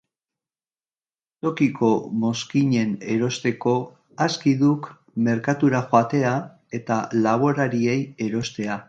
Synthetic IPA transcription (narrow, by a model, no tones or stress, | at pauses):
t̪o̞kikʰo̞mo̞skiɲe̞ne̞ɾo̞st̪e̞ko̞ | askiðuk | me̞ɾkat̪uɾaxoat̪e̞a | e̞t̪alaβo̞ɾaɾie̞je̞ɾo̞st̪e̞a